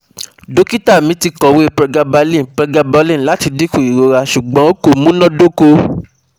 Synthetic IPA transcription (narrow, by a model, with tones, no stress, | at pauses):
do˨˦ki˦ta˦˨mĩ˨˦ti˧kɔ̃˨we˦pɾɛ˧ɡa˧ba˧lĩ˦˨pɾɛ˧ɡa˧ba˧lĩ˦˨la˨˦ti˧di˦ku˦˨i˨ɾo˨˧ɾa˧ʃu˨ɡ͡bɔ̃˨˦o˦ko˦˨mũ˦nɔ̃˦do˦ko˧